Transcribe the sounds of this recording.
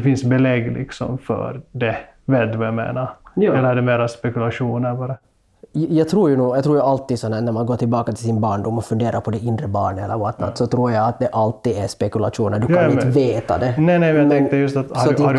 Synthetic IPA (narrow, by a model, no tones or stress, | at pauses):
ɛfɪnsbɛlɛɡlɪ̰ksɔ̰mfœ̰ɾd̪ɛ | vɛd̪vajamḛːnaɾjɛlːəɖɛmeːɾaspɛkʉlaʂuːnəɾbɑːɾa | jɑːɡt̪ʰɾuːɾjʉnuːjɑt̪ɾuːjʉalt̪ːiːsɔnɦæːnæɾmanɡoːʈɪlbɑːkat̪ʰɪlsɪnbɑːɳɖumːɔfɵnd̪eːɾaɾpʰɔd̪ɛɪnd̪ɾəbɑ̰ːɳɛlːə̰ɾvaʈ̪na̰t̪ːsɔt̪ʰɾuːɾjaat̪̚d̪ɛʔalt̪ːiːd̪ɛspɛkʉla̰ʂuːnəɖ̪ɵaɪnt̪veːt̪a̰d̪ɛnɛnɛmɛjaɛŋn̚t̪əjɵst̪at̪hsɔhad